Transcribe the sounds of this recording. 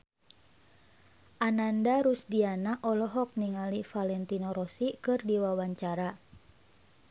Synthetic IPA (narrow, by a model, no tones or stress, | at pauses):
ʔanandaɾusdianaʔɔlɔɦɔk̚niŋalifalɛnt̪inɔɾɔsikɨrdiwawaɲt͡ʃaɾa